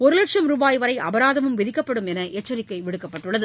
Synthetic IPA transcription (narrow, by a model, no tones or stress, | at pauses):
ɔɾɯlɐʈʂɐmɾuːbaːjʋɐɾɐɪʔɐ̰bɐɾaːðɐmɯmʋɪðɪkːɐpːɐɽɯmɛnɐʔet͡ʃːɐɾɪkːɐɪʋɪɽɯkːɐpːɐʈːɯɭːɐðɯ